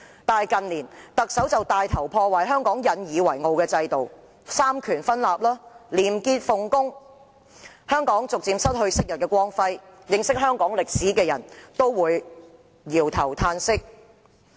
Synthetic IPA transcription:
t̪aː˨jkɐ˨˩nliː˨˩nt̪ɐ˨k̚sɐ˨˥wt͡sɐ˨wt̪aː˨jt̪ʰɐ˨˩wpʰɔː˧wa˨˩ɦœː˥ŋkɔː˨˥ŋjɐ˨˧njiː˨wɐ˨˩jŋo˨˩wkɛː˧t͡sɐ˧jt̪o˨w | saː˥mkʰyː˨˩nfɐ˥nlaː˨p̚laː˥liː˨˩mkiː˧t̚fʊ˨˩ŋkʊ˥ŋ | hœː˥ŋkɔː˨˥ŋt͡sʊ˨k̚t͡siː˧msɐ˥t̚hɵ˧ɥsɪ˥k̚jɐ˨t̚kɛː˧kwɔː˥ŋfɐ˥jjɪ˧ŋsɪ˥k̚ɦœː˥ŋkɔː˨˥ŋlɪ˨k̚siː˨˥kɛː˧jɐ˨˩nt̪o˥wwuː˨˧j | jiː˨˩wt̪ʰɐ˨˩wt̪ʰaː˧nsɪ˥k̚

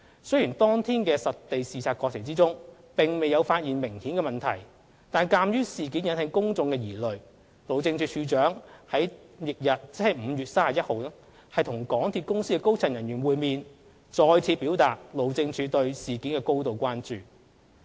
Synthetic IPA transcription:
sɵ˥ɥjiː˨˩nt̪ɔː˥ŋt̪ʰiː˥nkɛː˧sɐ˨˩t̚t̪e˨jsiː˨˧sʰaː˨˧t̚kɔː˧k̚t͡sʰɪ˨ŋt͡siː˥t͡sʊ˥ŋ | pɪ˨ŋme˨jɐ˨˧wfaː˧t̚jiː˨nmɪ˨˩ŋhiː˨˥nkɛː˧mɐ˨nt̪ʰɐ̰˨˩j | t̪aː˨nkaː˧mjyː˥siː˨˩kiː˨˥njɐ˨˥nt̪ɪ˨˥ŋkʊ˥ŋt͡sʊ˨˧ŋkɛː˧jiː˨˩lɵ˨ɥ | lo˨˧wt͡sɪ˧ŋt͡ʃʰyː˨˧˥t͡ʃʰyː˨˧˥t͡ʃœː˨˥ŋhɐ˨˥j | jɪ˨k̚jɐ˨t̚t͡sɪ˥hɐ˨˩jm̩˨˧jyː˨t̚saː˥a˨˩jɐ˥t̚ho˨˧wa˥ | hɐ˨jt̪ʰʊ˨˩ŋkɔː˨˥ŋt̪ʰiː˧t̚kʊ˥ŋsiː˥kɛː˧ko˥wt͡sʰɐ˨˩njɐ˨˩njyː˨˩nwuː˨jmiː˨n | t͡sɔː˧jt͡sʰiː˧piː˨˥wt̪aː˨t̚lo˨˧wt͡sɪ˧ŋt͡ʃʰyː˨˥t̪ɵ˧ɥsiː˨kiː˨˥nkɛː˧ko˥wt̪o˨wkʷaː˥nt͡ʃyː˨˩

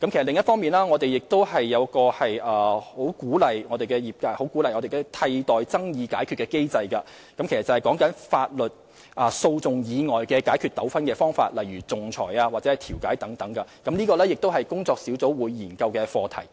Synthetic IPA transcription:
kɐ˨˦mʰ˨˩slɪ˨ŋjɐ˥tfɔː˥miː˨nlaː˥ŋɔː˨˧t̪e˨jɪ˨k̚t̪o˥whɐ˨jːɐ˨˧wkɔː˧hɐ˨jʔɐː˨ho˨˥wkuː˨˥lɐ˨jŋɔː˨˧d̪e˨jkɛ˧jiː˨˩p̚ka˧ho˨˥wkuː˨˥lɐ˨˩jŋɔː˨˧d̪e˨jkɛ˧t̪ʰɐ˧jt̪ɔː˨jt͡sɐ˥ŋjiː˨˧ka̰ː˨˥jkʰyː˧tkɛː˧ke˥jt͡sɐ˧jkɐ˧ | kɐ˨˥mkʰe˨˩stt͡sɐ˨˩hɐ˨jkɔː˨˥ŋkɐ˨˥nfaː˧t̚lɵ˨t̚ | ʔɐ˨so˧wt͡sʊ˨ŋjiː˨˧ŋɔː˨jkɛː˧kaː˨˥jkʰy˧t̚t̪ɐ˨˥wfɐ˥nkɛː˧fɔː˥ŋfa̰ː˧t̚lɐ˨jɥyː˨˩t͡sʊ˨ŋt͡sʰɔ̰ː˨˩jaː˧waː˨t̚t͡sɛ˧˥ɐ˨jt̪ʰiː˨˩wka̰ː˨˥jt̪ɐ˨˥ŋt̪ɐ˨˥˦ŋkɐ˧kɐ˨˦mniː˥kɔː˧lɛː˥jɪ˨k̚t̪o˥wɦɐ˨jkʊ˥ŋt͡sɔː˧k̚siː˨˥wt͡so˨˥wwuː˨˧jːiː˨˩nkɐ˧wkɛː˧fɔː˧t̪ʰɐ̰˨˩j

